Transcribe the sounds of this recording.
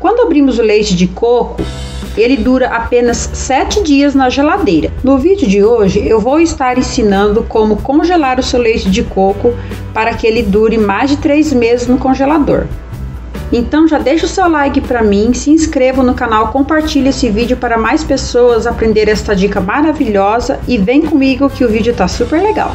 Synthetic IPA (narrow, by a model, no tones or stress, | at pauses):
kwɐ̃nd̪ʊabɾĩmʊzʊlejt͡ʃɪd͡ʒɪkokʊ | elɪd̪uɾɐʔapẽnɐsːɛt͡ʃɪd͡ʒiɐznɐʒelad̪ejɾɐnʊvid͡ʒɪʊd͡ʒɪoʒɪewvowɪst̪aɾẽsinɐ̃nd̪ʊkõmʊkõʒelaɾʊsewlejt͡ʃɪd͡ʒɪkokʊ | paɾɐkɪelɪd̪uɾɪmajzd͡ʒɪt̪ɾejzmezɪznʊkõʒelad̪o̰ɾ | ẽnt̪ɐ̃w̃ʒad̪ejʃʊsewlajkɪpɾɐmĩsɪĩskɾevʊnʊkanawkõpaɾt͡ʃiʎesɪvid͡ʒɪʊpaɾɐmajspesowɐzapɾẽnd̪eɾɛst̪ɐd͡ʒikɐmaɾaviʎɔzɐɪvẽj̃kõmiɡʊkɪʊvid͡ʒɪʊt̪asupeɾleɡa̰w